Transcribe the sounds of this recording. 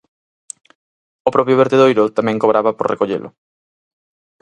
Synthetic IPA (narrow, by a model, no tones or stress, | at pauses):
ʊpɾɔpɾjʊβeɾt̪eðojɾʊt̪amɛ̃ŋkoβɾʔaβapoɾrʔekoʎḛlʔʊ̰